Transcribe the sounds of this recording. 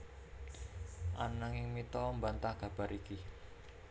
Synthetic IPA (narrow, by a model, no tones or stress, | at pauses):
ʔanaŋɪŋmit̪ɔmbant̪ahɡ̥a̤b̥a̤ɾʔiki